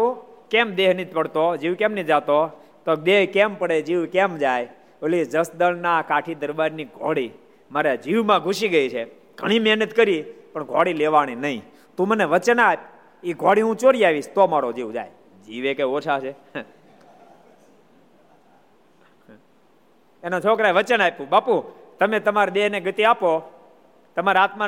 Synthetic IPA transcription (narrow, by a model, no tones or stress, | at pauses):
okɛmd̪eɦnit̪̚ʰpəɽt̪od͡ʒiʋkɛmnit̪d͡ʒat̪o | t̪od̪eɦkɛmpəɽed͡ʒiʋkɛmd͡ʒaj | əllid͡ʒəsd̪əlnakaʈʰid̪əɾbaɾniɡʱɔ̰ɽi | maɾed͡ʒiʋmãɡʱuʃiɡəit͡ʃʰe | ɡ̥ʱəɽ̃imɛɦnət̪kəɾipəɳɡʱɔɽileʋaɽ̃inəĩ | t̪ũməneʋət͡ʃənap̚ | iɡʱɔɽiɦũt͡ʃoɾiaʋiʃt̪omaɽod͡ʒiʋd͡ʒa̰j | d͡ʒiʋekeot͡ʃʰat͡ʃʰe | enot͡ʃʰɔkɾaʋət͡ʃənapũbaput̪əmet̪əmaɾd̪eɦneɡət̪iapo | t̪əmaɾeat̪ma